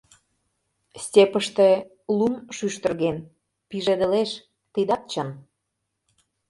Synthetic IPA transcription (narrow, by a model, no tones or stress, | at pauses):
sʲtʲepəʃt̪ĕ | lumʃyʃt̪ə̆rɣen | piʒed̪ə̆leʃ | t̪id̪ɑt̪̚t͡ɕən